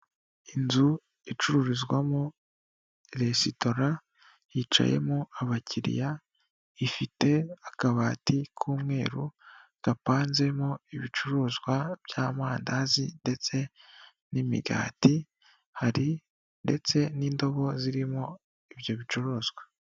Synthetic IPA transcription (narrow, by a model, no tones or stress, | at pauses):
inzu | it͡ʃuɾuɾizɡwamo | eɾesito̞ɾa | hit͡ʃa̰je̞̰moaβacʰiɾḭja | ifite̞akaβaːtikʰuːmŋe̞ːɾuɡ̥apaːnze̞moiβit͡ʃuɾozɡwab̥jaːmaːndazinde̞t͡se̞ | nimḭɡa̰ːti | haɾi | nde̞̰t͡se̞niːndo̞βo̞ziɾimo | iβjo̞βit͡ʃuɾoːzɡwa